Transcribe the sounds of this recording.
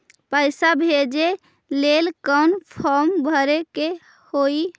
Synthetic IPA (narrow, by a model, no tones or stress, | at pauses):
pəjsabʱed͡ʒe | lelkənpʰɔɾmbʱəɾeke | hoi